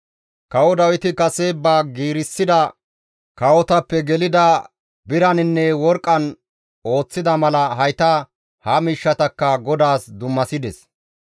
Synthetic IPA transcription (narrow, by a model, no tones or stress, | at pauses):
kɐwɔd̪ɐwɪt̪ɪkɐsebaːɡiːɾɪsːɪd̪ɐ | kɐwɔt̪ɐpːɛɡɛlɪd̪ɐ | bɪɾɐnɪnːɛwɔɾkʼːɐn | o̞ːt͡sːɪd̪ɐmɐlɐɦɐjt̪ɐ | hɐmiːʃːɐt̪ɐkːɐɡɔd̪aːsd̪ʊmːɐsɪd̪ɛs